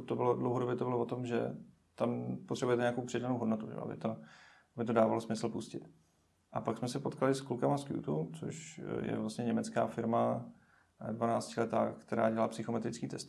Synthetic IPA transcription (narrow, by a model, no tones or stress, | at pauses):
ut̪ːobɪlodlowɦodobjɛt̪o̞bɪlovot̪o̞mʒɛ̰ | t̪ampot̪r̥ɛbujɛt̪ɛɲeakowpr̝̥ɛdanowɦodnot̪uʒɛ̰o̰ʔa̰bɪ̰t̪o | ʔabɪt̪o̞daːvalosmɪsl̩puscɪt̪ | ʔapaksmɛsɛpot̪kalɪsklukamaskjṵt̪ut͡so̰ʃjɛ̰vlast̪ɲɛɲɛmɛt͡ska̰ːfɪɾma | dvanaːt͡scɪlɛt̪a̰ːkt̪ɛɾaːɟɛlaːpsɪxomɛt̪ɾɪt͡skiːt̪ɛst̪